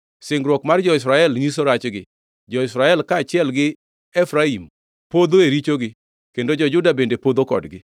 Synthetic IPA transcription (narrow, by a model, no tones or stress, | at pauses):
sɪŋɡɾwɔkmard͡ʒɔɪs̬ɾaɛlɲis̬oɾat͡ʃɡɪ | d͡ʒɔɪsɾaɛlkaːt͡ʃɪɛlɡɪ | ɛfɾaim | pod̪oeɾit͡ʃoɡɪ | kendod͡ʒɔd͡ʒʊdabendepod̪okɔ̰dɡɪ